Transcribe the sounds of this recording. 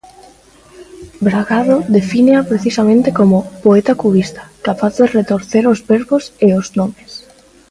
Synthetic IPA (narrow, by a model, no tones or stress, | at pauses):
bɾaɣaðoðefineapɾeθisamẽnt̪ekomopoet̪akuβist̪ḁkapaθðeret̪oɾθeɾozβeɾβoseoznomes